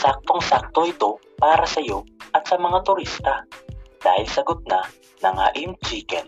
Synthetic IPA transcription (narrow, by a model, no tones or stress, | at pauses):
sak̚t̪oŋsak̚t̪oʔɪt̪o̞ | paːɾɐsɐjo̞ʔɐt̪sɐmɐŋat̪ʊɾist̪ɐd̪̥a̰ːhɪlsɐɡot̪̚na | nɐŋha̰ʔɪmt͡ʃiːkɛn